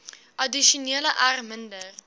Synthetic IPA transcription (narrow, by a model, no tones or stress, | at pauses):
ʔɐdiʃuniələʔarməndər